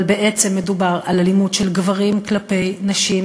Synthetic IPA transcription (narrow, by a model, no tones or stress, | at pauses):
lbe̞ʔe̞t͡se̞mːe̞dubaʁalalimudʃe̞lɡvaʁimklape̞jnaʃim